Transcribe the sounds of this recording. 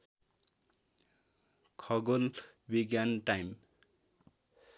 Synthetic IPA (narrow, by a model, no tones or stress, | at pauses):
kʰʌɡolbiɡjanʈajm